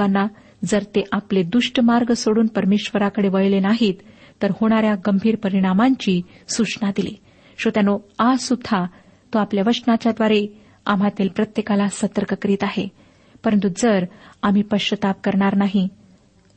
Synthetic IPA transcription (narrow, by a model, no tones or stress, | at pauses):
anːa | d͡zəɾt̪eʔapled̪uʂʈəmaɾɡəsoɽuːnpəɾmeɕʋəɾakəɽeʋəɭlenaɦiːt̪ː | əɾhoɽ̃aɾjaɡəmbʱiːɾpəɾiɽ̃amaɲt͡ɕiː | sut͡snad̪ilḭ | ɕot̪janoasud̪ʱːa | t̪oapljaʋəʂʈnat͡ɕjad̪ʋaɾe | a̰m̤at̪ilpɾət̪jekalasət̪əɾkəkəɾiːt̪aɦe | pəɾənt̪ud͡zəɾam̤iːpəɕət̪ap̚kəɾɳaɾnaɦi